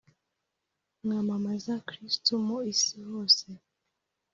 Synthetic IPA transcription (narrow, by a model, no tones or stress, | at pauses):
ŋamamazakɾistumoisihoːse